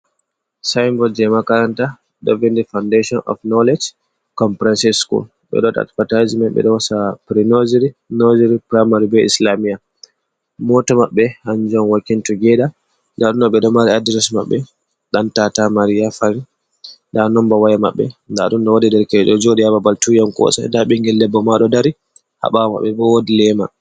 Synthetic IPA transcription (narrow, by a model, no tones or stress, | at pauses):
sajmbɔd͡ʒɛmakaɾanta | ɗɔvindifawndeʃɔnʔɔ̰fnɔled͡ʒ | kɔmpɾɛnsiskṵl | ɓɛ̰ɗɔɗa̰tfatajzmɛnɓɛ̰ɗɔwasapɾinod͡ʒiɾinod͡ʒiɾipɾajmaɾibɛḭslamija | mɔtɔmaɓːɛhand͡ʒuɔnwakːintuɡɛɗa | ndaɗunːɔɓɛɗɔmaɾiadiɾɛsma̰ɓːɛ | ɗantatamaɾijafaɾi | danɔmbawajama̰ɓːɛ̰ndaɗunɗɔwadidɛɾkɛɗɔd͡ʒoɗiababaltujamkɔ̰sa̰daɓiŋɡɛlːɛbːɔmaɗɔdaɾi | ha̰ɓawama̰ɓːɛbɔwodilɛma̰